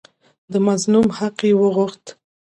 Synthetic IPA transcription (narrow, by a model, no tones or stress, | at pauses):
d̪əmaznumhaqewəɣʊxt̪